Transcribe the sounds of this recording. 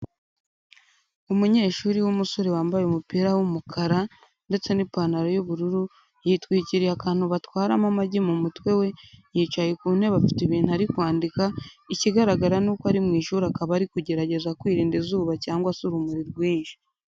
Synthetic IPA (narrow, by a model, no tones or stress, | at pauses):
umuɲe̞ːʃuːɾiwumuso̞ɾe̞waːmbajeumupiːɾawumukʰaɾa | nde̞t͡se̞nipanaɾojuβuɾuɾu | jiːtwiːciɾijakaːn̥huβatwaːɾamamaɟimumutwe̞we̞jiːt͡ʃajekunhe̞βafi̥tiβiːn̥uaɾikwaːndikaiciɡaɾaɡaɾanuːkoaɾimŋiːʃuːɾakaβaɾikuɟe̞ɾaɟe̞zakwiːɾiːndizuːβacaːŋɡwasuɾumuɾiɾɡwiːnʃi̥